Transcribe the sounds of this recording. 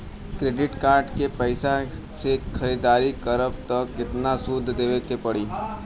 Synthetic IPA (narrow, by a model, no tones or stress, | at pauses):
kɾeːɖɪʈkaːɾɖkepɛɪsa | sekʰxʰɐɾiːd̪aːɾikɐɾəb̚t̪ɐkɪt̪nasud̪ʱːd̪eːʋekepɐɽiː